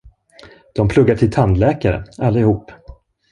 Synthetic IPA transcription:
d̪̥ɔmpʰlɵɡːaʈʰɪlt̪ʰand̪lɛːkaɾə̰alːaɪhuːpː

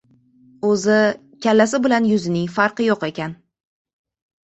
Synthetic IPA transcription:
ɵzɪ | kʲʰalːasɪbɪlanjʊzɪnɪŋfaɾqɨjoqe̞kʲan

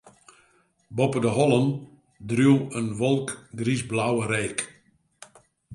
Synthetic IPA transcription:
bɔpədəɦɔlˠən | drywˠənʋɔlˠkɡrisblawəɾeːk

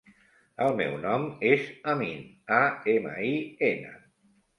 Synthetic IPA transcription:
əlˠmɛ̰wnɔmezəmin | aemə̰ienə̰

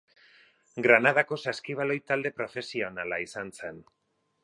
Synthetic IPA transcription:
ɡɾanað̞ako̞saskiβalo̞jt̪ald̪e̞pɾo̞fe̞sio̞nalaisanse̞n

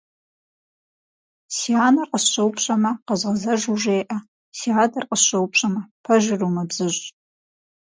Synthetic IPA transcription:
siaːnɐrqəsɕowpʰɕʼɐmɐqɐzʁɐzɐʒuʒeːʔɐ | siaːdɐrqʼəsɕʷowpʰɕʷʼɐmɐpʰɐʒɪrumɐbz̥ɨʒʼ

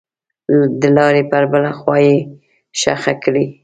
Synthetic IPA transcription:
d̪əlɑɾepəɾbəlaxwɑje | ʃa̰xakɽi

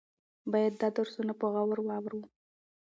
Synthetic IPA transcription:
bɑjad̪ːɑd̪aɾsunapəɣawəɾwɑwɾwu

